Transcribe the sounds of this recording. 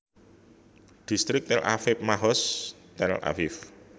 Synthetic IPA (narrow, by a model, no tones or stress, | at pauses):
d̪̥i̤st̪ɾɪk̚t̪ɛlʔa̰fɪp̚maɦɔst̪ɛlʔa̰fɪf